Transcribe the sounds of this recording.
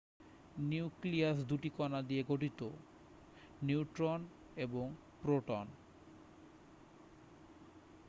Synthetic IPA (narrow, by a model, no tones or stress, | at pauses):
niukliasd̪uʈikɔnad̪ieɡoʈit̪o | niuʈɾon | eboŋ | pɾoʈon